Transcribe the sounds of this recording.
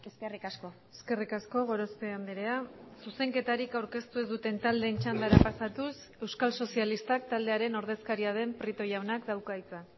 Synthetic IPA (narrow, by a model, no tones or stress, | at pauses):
eskerikasko | eske̞rikasko̞ɣ̞o̞ɾo̞spe̞and̪iɾe̞asuse̞ŋke̞t̪aɾikawɾke̞st̪ue̞zd̪ut̪e̞nt̪ald̪ent͡ʃand̪aɾapasat̪us | e̞wskalso̞sialist̪ak̚t̪ald̪e̞aɾe̞no̞ɾð̞e̞skaɾiað̞e̞mpɾit̪o̞jawnakd̪awkajt͡sa